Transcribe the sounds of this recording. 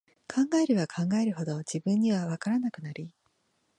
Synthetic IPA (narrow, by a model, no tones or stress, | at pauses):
kʰãŋɡaeɾɯ̟βakʰãŋɡae̞ɾɯ̟ho̞d̪o̞d͡ʑibɯ̟̃ɲ̟ːiβ̞aβakaɾanakɯ̟naɾʲi